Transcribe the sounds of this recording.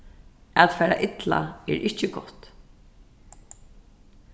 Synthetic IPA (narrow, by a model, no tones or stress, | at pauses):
at̪fɛːɾa̰ʔɪt̪la̰ɛːɹʔɪht͡ʃəɡɔht̪